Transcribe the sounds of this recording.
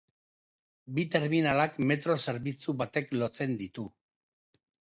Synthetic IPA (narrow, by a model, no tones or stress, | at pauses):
bit̪e̞ɾminalakme̞t̪ɾo̞se̞ɾβit͡suβat̪e̞klo̞t͡se̞nd̪it̪u